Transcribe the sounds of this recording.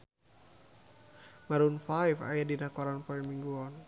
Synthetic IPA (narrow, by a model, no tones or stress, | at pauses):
maɾunfajfa̰jadinakɔɾanpɔimiŋɡuɔn